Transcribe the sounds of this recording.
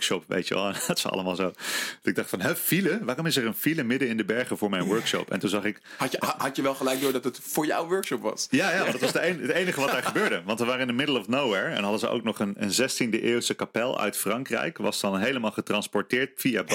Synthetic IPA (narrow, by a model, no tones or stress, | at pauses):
kʃɔpʋḛjtə̰ʋɛ̰lˠtɪ̥sɑ̰ləmaːlˠzowdtɪɡ̚dɑχtfɑnɦɛfiləʋaːrɔmɪsəɹənfiləmɪdəɪndəbɛɹχəvʊːɹmɛjnʋɜɹkʃɔ̰pɛ̰ntunzɑχɪkɑɦɑtəʋɛlˠχəlɛjk̚doːɹdɑtətfʊːɹja̰wʋøɹkʃɔpʋɑ̰sjaːjaːɔndɑtʋɑsdəenətejnəχəʋɑtd̥aːɹχəbøːɹdəʋɑ̃ntəʋaːɾəɪndəmɪdəl̩ˠɔfnowʋɛɹɛ̰nɦɑdəzəʔo̰wknɔχənə̰nzɛstindəʔɪːwlˠsəkapɛlˠœ̰ɥtfrɑŋkrɛ̰jkʋɑ̰sdɑnɦejləmaːlˠχətrɑnspɔɹtɪːɹtfijab